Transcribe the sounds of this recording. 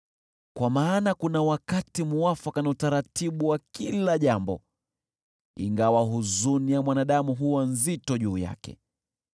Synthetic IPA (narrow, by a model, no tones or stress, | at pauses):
kwamaːnakunawakatimuwafakanautaɾatiɓuwakilaʄambɔ̰ | ḭŋɡawaɦuzunijamwanaɗamuɦuwanzitɔʄuːja̰kɛ̰